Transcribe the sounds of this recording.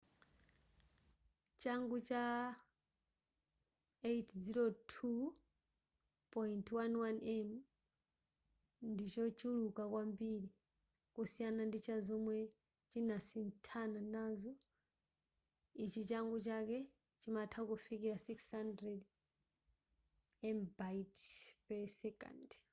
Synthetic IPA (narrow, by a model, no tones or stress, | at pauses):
t͡ʃaŋɡut͡ʃa | eitʰziɾotʰu | pɔintʰwanwanɛm | ndit͡ʃɔt͡ʃulukakwambiɾi | kusijanandit͡ʃʰazɔmwɛ | t͡ʃinasintʰananazɔ | it͡ʃit͡ʃaŋɡɔt͡ʃakɛ | t͡ʃimatʰakufikiɾasikshandɾɛd | ɛmbaitpɛsɛka̰nd